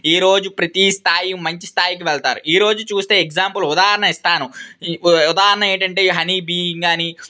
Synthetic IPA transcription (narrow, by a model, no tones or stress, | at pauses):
iːɾo̞ːd͡ʒupɾɐt̪ist̪ʰaːjimɐɲt͡ʃist̪ʰaːjik̬iʋɛɭt̪aːɾṵiːɾo̞ːd͡ʒut͡ʃuːst̪e̞ːeɡd͡ʒaːmpulud̪aːɦɐɾɐɳɐist̪aːnu | ud̪aːɦɐɾɐɳɐeːɳʈɐɳʈe̞ːɦɐnibiːiŋɡaːni